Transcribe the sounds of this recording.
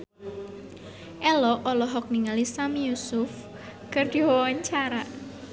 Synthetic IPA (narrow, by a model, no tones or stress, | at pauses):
ʔɛlɔʔɔlɔɦɔk̚niŋalisamijusʊf | kərd̪̥iwɔwaɲt͡ʃaɾa